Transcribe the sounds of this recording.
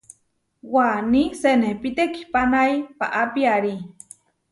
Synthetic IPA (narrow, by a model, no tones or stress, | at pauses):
wanisenepit̪eki̥panaipa̰ʔapiaɾi